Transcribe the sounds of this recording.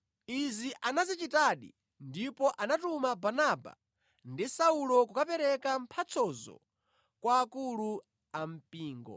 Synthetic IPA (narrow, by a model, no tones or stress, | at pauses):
iziʔanazit͡ʃitaɗḭ | ndipɔʔanatumabanaba̰ | ndisaulɔk̬ukapɛɾɛkam̩pʰat͡sʰɔzɔ̰ | kwaːkulu | am̩piːŋɡɔ̰